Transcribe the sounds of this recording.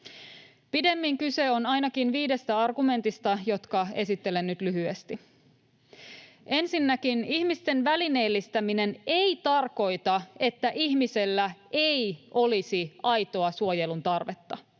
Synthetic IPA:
pide̞mːiŋkyse̞o̞nɑjnɑkinʋiːde̞st̪æɑrɡume̞nt̪ist̪ɑjo̞t̪kɑe̞sit̪ːe̞lenːyt̪lyɦyest̪i | e̞nsinːækinihmist̪e̞nʋæline̞ːlːist̪æmine̞neijt̪ɑrko̞jt̪ɑe̞t̪ːæʔihmise̞lːæʔejʔo̞lisiʔɑjt̪o̞ɑsuojelunt̪ɑrʋet̪ːɑ

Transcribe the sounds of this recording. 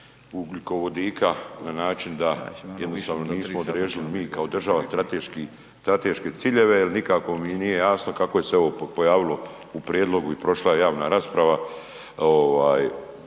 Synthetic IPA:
ukliko̞ʋo̞d̪iːkʰananaːt͡ʃind̪ajed̪nost̪aːʋno̞dniːsmood̪ɾeːʒilimiːkao̞d̪r̩ʒaʋast̪ɾat̪eʃki | st̪ɾat̪eʃke̞t̪siːʎe̞ʋe̞elnikako̞minije̞jaːsno̞kakoje̞seo̞ʋopo̞jaːʋilˠo̞ | upɾjeːd̪lo̞ɡuipɾo̞ʃlajejaːʋnaɾaspɾaʋa | oʋaːj

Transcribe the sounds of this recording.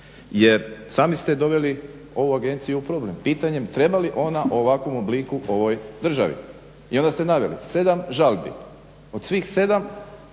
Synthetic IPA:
je̞ɾsaːmist̪e̞d̪o̞ʋe̞li | o̞ʋuaɡe̞nt̪sijuupɾo̞ble̞mpiːt̪aɲe̞mt̪ɾe̞baliʔo̞naʔo̞ʋakʋo̞moblikuʔo̞ʋo̞jd̪r̩ʒa̰ʋḭ | ḭo̞nd̪ast̪enaʋelḭse̞d̪amʒalˠbḭ | o̞d̪sʋiːxse̞d̪am

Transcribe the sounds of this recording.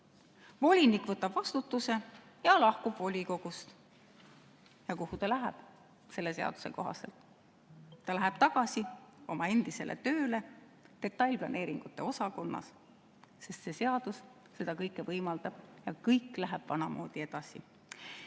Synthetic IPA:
vo̞lʲinikvɤt̪ːˑɑb̥vɑst̪ut̪ːuse̞ | jɑlɑhkub̥vo̞lʲiko̞ɡ̥ust̪ | jɑkuhut̪ɑlæɦeb̥ | se̞lːe̞se̞ɑ̰d̪u̥se̞ko̞̰ɦɑ̰se̞lt̪ˑː | ɑlæɦɛb̥t̪ɑɡ̥ɑsio̞mɑe̞nd̪̥ise̞̰lʔḛt̪ø̞ːle̞ | d̪̥e̞t̪ːˑɑlʲplɑne̞ːɾiŋɡ̥ut̪ːˑe̞o̞sɑko̞nːɑ̰s | se̞st̪se̞se̞ɑd̪̥us | se̞d̪̥ɑkɤjkːˑevɤjmɑld̪̥ɑb̥jɑkɤjkˑlæɦæb̥vɑnɑmʔo̞̰ːd̪̥ie̞d̪̥ɑsi

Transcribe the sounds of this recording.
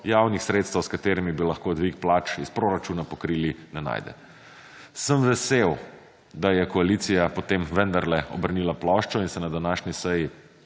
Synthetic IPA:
jawnixsɾeːt̪st̪ʋəwskat̪eːɾimibilɐxkod̪ʋikplaːt͡ʃispɾoɾat͡ʃuːnapɔkɾiːlinɛna̰ːjd̪ɛ̰ | səmʋɛsew | d̪ajɛkɔalit̪sijapɔt̪eːmʋənd̪aɾlɛɔbəɾnilaplɔʃt͡ʃɔinsɛnad̪anaːʃnisɛji

